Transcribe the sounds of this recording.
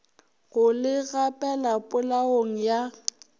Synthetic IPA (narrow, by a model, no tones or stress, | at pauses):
ɣʊlɪɣapʼɛlapʼʊlaoŋ̩ja